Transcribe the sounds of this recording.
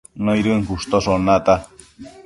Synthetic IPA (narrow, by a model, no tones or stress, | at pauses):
noiɾuəŋkust̪osonat̪a